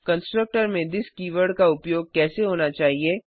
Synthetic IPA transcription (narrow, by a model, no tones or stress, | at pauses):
kɐ̃nsʈɾək̚ʈəɾmẽd̪ɪskiːʋəɾɖkaʊpjoːɡ̚kɛːseɦoːnat͡ʃaːɦieː